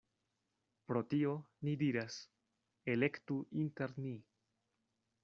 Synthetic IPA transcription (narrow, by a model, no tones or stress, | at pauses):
pɾo̞tio̞nidiɾas | e̞le̞ktuʔinte̞ɾni